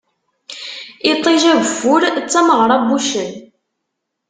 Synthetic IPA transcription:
ɪt̪ˤːiʒævvːʊɾt͡sːæməʁɾˤɑbuʃən

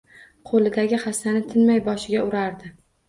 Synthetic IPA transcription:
qʰolɪd̪aɡʲɪχast̪anɪt̪ʰɪnmajbɒʃɪɡʲaʊɾaɾd̪ɪ

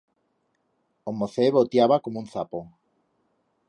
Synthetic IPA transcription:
omoθeβot̪jaβakomũn̟θapo

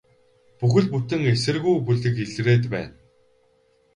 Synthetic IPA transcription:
puxɘ̆ɮput̪ɘ̆ŋesɘ̆rɣujpuɮɘ̆keɮ̆reːt̪pæ̰ːn

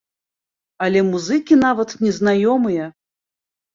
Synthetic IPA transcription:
ɐlʲɛmuzɨkʲinavɐt̪nʲɛznajɔmɨjɐ

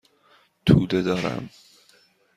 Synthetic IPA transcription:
t̪ʰuːd̪ed̪ɒːɾæ̰m

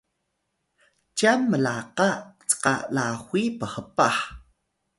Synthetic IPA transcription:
t͡ʃamːəlaqaʔt͡sqʼaʔlaxwʷiːpaχəpaħ

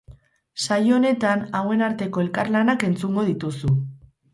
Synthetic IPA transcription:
sajoone̞t̪anawe̞naɾt̪e̞ko̞e̞lkaɾlanake̞nt͡suŋɡo̞ð̞it̪usu

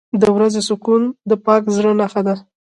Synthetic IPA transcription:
d̪əwɾazesʊkund̪əpɑkzɽənaxad̪a

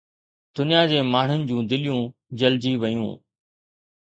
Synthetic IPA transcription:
d̪̥ʊnijad͡ʑeːmaːɳ̤ʊnɪ̆d͡ʑũːd̪ɪlɪjũːd͡ʑɐld͡ʑiʋɐjṵ̃ː

